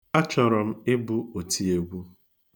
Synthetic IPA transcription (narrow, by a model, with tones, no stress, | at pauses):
a˦t͡ʃɔ˨ɾɔ˨m̩˦ɪ˦bʊ˦o˨tʰi˦e˨ɡʷu˦